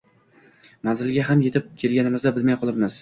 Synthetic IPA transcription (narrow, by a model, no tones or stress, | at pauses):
manzɪlɡʲaɦamje̞t̪ʰɪp̚kʲʰe̞lɡʲanɪmɪzd̪abɪlmajqʰɒlˠɪpmɪz̥